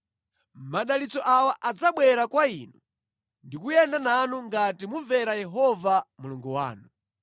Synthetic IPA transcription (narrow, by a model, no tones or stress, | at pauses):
maɗalit͡sɔʔawaʔad͡zaɓwɛɾakwainu | ndikujɛndananuŋɡatimuvɛɾajɛɦɔvamuluŋɡuwa̰ːnu